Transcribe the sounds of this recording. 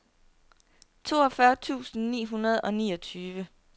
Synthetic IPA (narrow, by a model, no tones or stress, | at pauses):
t͡sʰo̝ːɒfɶɐt͡sʰṵːsn̩nḭːɦunɐð̞̩ˠɒ̽nḭːɒ̽t͡sʰyːʋə